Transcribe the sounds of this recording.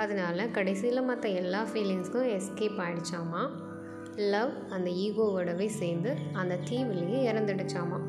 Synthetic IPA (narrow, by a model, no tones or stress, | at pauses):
ɐðɯnaːlɐkɐɽɐɪsɪjɪlɐmɐt̪ːɐ̃ɛlːaːfiːlɪŋskʊ̃ɛskeːpaːɪɽɯt͡ʃːaːmaː | lːɐʋ | ɐnd̪ɐiːɣoːʋɯɽɐʋɐɪseːɾnd̪ɯɐnd̪ɐt̪iːʋɪlːɐjɯɪɾɐnd̪ɐɽɯt͡ʃːaːma̰ː